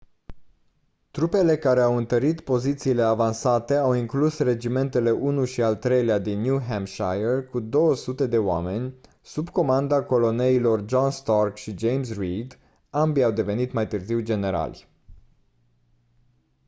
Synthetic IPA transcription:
t̪ɾupe̞le̞kaɾe̞awɨnt̪əɾit̪po̞zit̪siːle̞avansat̪e̞awiŋklusre̞d͡ʒime̞nt̪e̞le̞ʔunuʃialt̪ɾe̞jlead̪inːjuɦamʃajerkud̪o̞wəsut̪e̞d̪e̞oa̰me̞nʲ | subko̞mand̪ako̞lo̞ne̞ilo̞rd͡ʒonst̪arkʃid͡ʒejmsrid̪ | ambiawd̪e̞ve̞nit̪majt̪ɨrziwd͡ʒe̞ne̞ɾa̰lʲ

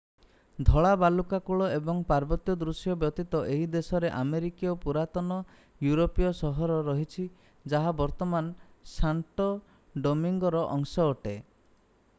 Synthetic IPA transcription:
d̪ʱɔɭabalukakuɭɔebɔŋpaɾbɔt̪jɔd̪ɾusjɔbjɔt̪it̪ɔʔeɦid̪esɔɾeʔameɾikijɔpuɾat̪ɔnɔ | juɾopijɔsɔɦɔɾɔɾɔɦit͡ʃʰi | d͡ʒaɦabɔɾt̪ɔmansaɳʈɔ | ɖɔmiŋɡɔɾɔʔɔŋsɔːʈe

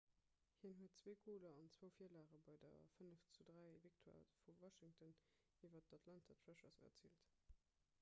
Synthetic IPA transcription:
hiənɦuət̚t͡sweːkʰoːlɐɑnt͡swəʊfiːəlaːʁəbɑɪdɐ̰fənəft͡sudʁæɪvik̚tʰoa̰ːfuwɑʃiŋtən | ivɐtɑtʰlɑntʰɐtfæʃɐsɐ̰t͡siːlt

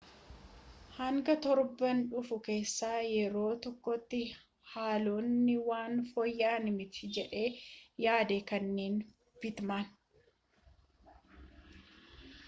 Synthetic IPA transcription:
hɐŋɡɐt̪ɔɾbɐnᶑʊfʊke̞ːsːaːjɛɾo̞ːt̪ɔkːɔt̪ːɪ | haːloːnːɪwaːnfɔjːaːnɪmɪt̪ɪd͡ʒɛᶑe̞ːjaːd̪eːkɐnːeːn | bɪt̪maːn

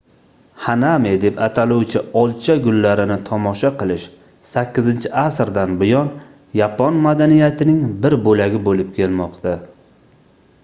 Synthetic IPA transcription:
hanamed̪e̞pat̪ʰalʊwt͡ʃʰɪɒlˠt͡ʃʰaɡʊlːaɾɪnɪt̪ʰɒmɒʃaqɨlˠɪʃ | sakʲːɪzɪnt͡ʃʰɪasɾd̪anbɪjɒn | japʰɒnmad̪anijat̪ʰɪnɪŋbɪɾbolaɡʲɪbolɪp̚kʲʰe̞lmɒqt̪ʰa

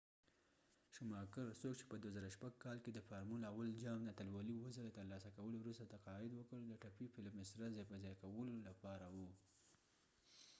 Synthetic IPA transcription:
ʃʊmɑkəɾsokt͡ʃe̥pəd̪wazaɾaʃpaɡ̚kɑlked̪əfaɾmulawald͡ʒɑmd̪əat̪alwɑliwəzəlat̪əɾlɑsakawəlowɾust̪at̪aqɑɪd̪wəkəld̪əʈapifɪlmɪsɾazepazɑjkawəlolapɑɾawu

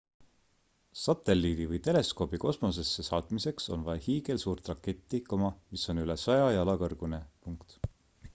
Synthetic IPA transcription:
sɑt̪ːe̞lːiːd̪̥ivɯjt̪e̞le̞sko̞ːbiko̞smo̞se̞sːe̞sɑːt̪ˑmise̞kso̞nvɑehiːɡe̞lsuːrt̪rɑkːe̞t̪ˑːikomɑmisːo̞nylesɑjɑjɑlɑkɤrɡ̥une̞puŋkt̪

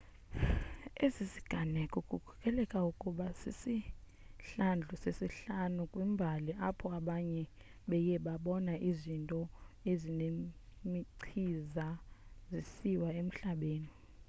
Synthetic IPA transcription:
ezizi̥ɡ̥ʱanɛkʼukʼukʰu̥kʰʼɛlɛkʼaukʼuɓasisi | ɬand͡ɮʱusesiɬanukʼwimbʱaliʔapʰɔaɓaɲɛ | ɓɛjɛɓaɓɔnaʔizintʼɔezinemiǀʰizazisiwaem̩ɬaɓeːni

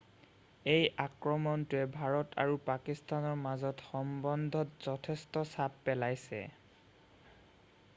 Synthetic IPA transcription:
ejakɹɔmɔntʊɛbʱaɹɔtʰa̰ɹupakistanɔɹmazɔtxɔmbɔndʱɔtz̥ɔtʰestɔsapːɛlajsɛ̰

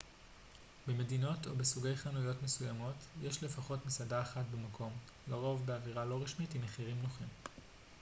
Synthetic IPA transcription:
beme̞dino̞to̞̰besuɡe̞jχanujo̞tmesujamo̞tjeʃle̞faχo̞tmisadaːχatbemakʰo̞m | ɡaʁo̞vbeaviʁalo̞ʁiʃmitimaχiʁimnoχim

